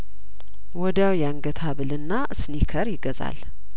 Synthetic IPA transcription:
wɔd̪awjaŋɡət̪ʰaβɨlɨnːaʔsnikʰəɾjɪɡəza̰l

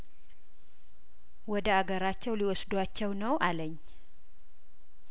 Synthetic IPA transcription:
wɔd̪əaɡəɾat͡ʃːɛwliwɔsd̪wat͡ʃːɛwnəwʔaləɲː

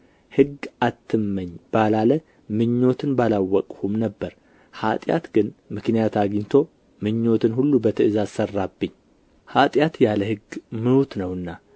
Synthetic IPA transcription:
hɨɡat̪ʰːɨmːəɲːb̥alalə | mɨɲːo̞t̪ʰɨnbalawːɔkʼhumnəbːəɾ | hat̪ʼja̰t̪ɡɨnmɨknijat̪ʰaɡɲt̪ʰo̞ | mɨɲːo̞t̪ʰɨnhulːubət̪ʰɨʔɨzazsərːabːɨɲː | hat̪ʼjat̪jaləhɨɡmɨnut̪nəwɨnːa

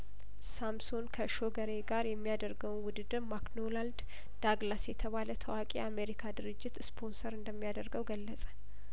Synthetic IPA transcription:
samsonkʰəʃo̞ɡəɾeɡaɾjɛmːijad̪əɾɡəwnwʊd̪ɨd̪ɨmaknolald̪ | d̪̥aɡlasjɛt̪ʰəβalət̪ʰəwakʼijame̞ɾikʰad̪ɨɾɨd͡ʒːɪt̪spʰo̞nsəɾɨnd̪əmːijad̪əɾɡəwɡəlːəsʼə̥

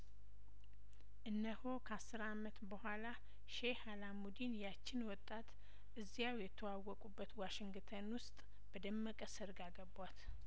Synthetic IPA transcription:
ʔɨnːəhokʰəasːɨɾamət̪bəhʷala | ʃehalamud̪injat͡ʃːɪnwɔt̪ʼːat̪ | ʔɨzːijawjɛt̪ʰəwawːɔkʼubːət̪waʃɪŋɡt̪ʰənwʊst̪ʼ | b̥əd̪əmːəkʼəsɨɾɡaɡəbwat̪

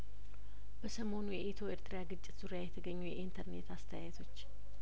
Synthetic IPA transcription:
b̥əsəmo̞nujɛʔet̪ʰo̞eɾt̪ʰɾijaɡɨt͡ʃʼːɪ̥t̪z̥uɾijajɛt̪ʰəɡəɲːujɛʔint̪ʰəɾne̞t̪ast̪ʰəjajt̪ʰo̞t͡ʃː

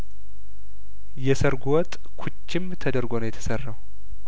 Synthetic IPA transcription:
jɛsəɾɡuwɔt̪ʼ | kʰut͡ʃːɪmt̪ʰəd̪əɾɡo̞nojɛt̪ʰə̥sərːaw

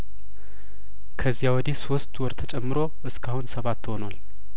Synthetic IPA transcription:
kʰəzːijawɔd̪ehso̞st̪wɔɾt̪ʰət͡ʃʼɛmːɨɾo̞ʔɨskʰahunsəβat̪ːɨho̞nwal

